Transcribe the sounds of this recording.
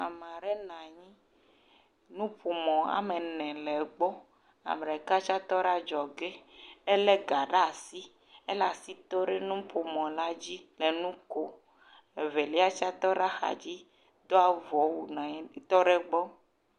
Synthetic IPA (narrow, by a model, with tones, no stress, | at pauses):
a˨m˨ã˨ɖe˦nã˨ɲĩ˦ | nũ˦po˨mɔ̃˨a̰˨mẽ˨nɛ̃˨lɛ˨ɡ͡bɔ˦ | a̰˨m˨ɾɛ˨ka˦t͡ʃa˦t̪ɔ˦ɖa˦d͡ʒɔ˨ɡe˦e˦le˦ɡa˨ɖa˦˨si˦ | e˦la˨si˦t̪o˦ɖe˦nũ˦po˨mɔ̃˨la˦d͡ʑi˦le˨nũ˦ko˦˨ | e˨ve˨li˦a˦t͡ʃa˦t̪ɔ˦ɖa˦xa̰˨d͡ʑi˦ | d̪o˦a˦vɔ˨˦wu˦˨nã˨˦˨t̪ɔ˦ɖe˦ɡ͡bɔ˦